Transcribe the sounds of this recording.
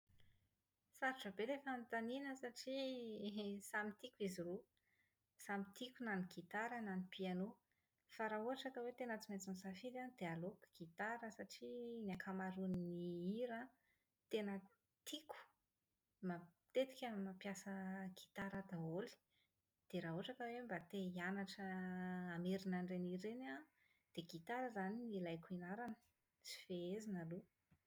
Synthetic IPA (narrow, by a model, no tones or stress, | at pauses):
saɾiʈ͡ʂəbelefant̪aninəsaʈ͡ʂi | samit̪ikuiziɾo | samit̪ikunaniɡit̪aɾənanipiano | faɾauɦaʈ͡ʂat̪awet̪enət͡simet͡sinsafid̪and̪̥ealokɡ̥it̪aɾəsaʈ͡ʂiniakʰamaɾunniiɾə | t̪enə | t̪ʰiku̥ | ma | t̪et̪i̥kʲəmapjasəɡ̥i̥t̪aɾəd̪aoli̥ | d̪̥eɾaɦuaʈ͡ʂakəwembat̪eianaʈ͡ʂəː | meɾinaɳɖ͡ʐeniɾena | d̪̥eɡit̪aɾəzaninilajkuinaɾanə̥ | t͡si̥feezinalu